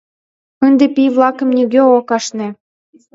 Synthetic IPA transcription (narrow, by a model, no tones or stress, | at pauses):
ənd̪ĕpʲijvlˠɑkɤ̆mnʲyɡʲøokɑʃnĕ